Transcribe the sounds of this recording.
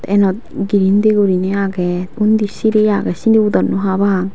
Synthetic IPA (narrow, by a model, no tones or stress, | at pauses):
t̪ɛnɔt̪ɡiɾind̪eɡuɾineaɡɛund̪isiɾejaɡɛsind̪eud̪ɔnːuɦabaŋ